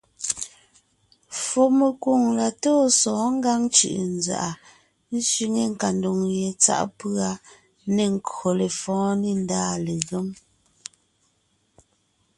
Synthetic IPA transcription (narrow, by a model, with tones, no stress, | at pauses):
fo˨me˨ku˨ŋla˨toː˦sɔ̃ː˨˦ŋ̩˦ɡa˦ŋt͡ʃʉ̰˨ʔn˨d͡za̰˨ʔa˨ | n̩˦sɥi˦ŋe˦ŋ̩˨ka˨ndo˨ŋje˨t͡sa̰˦ʔpɰa˦ | ne˨ŋ̩˨ko˨le˨fɔ̃ː˦ni˦˨n˦daː˦le˨ɣe˦m